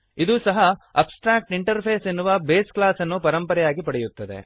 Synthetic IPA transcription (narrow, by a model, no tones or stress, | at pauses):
id̪usɐɦɐɐpsʈɾaːk̚ʈiɳʈɐɾpʰeːsenːuʋɐbeːsklaːsɐnːupɐɾɐmpɐɾɛjaːɡipɐɽɛjut̪ːɐd̪e̞̰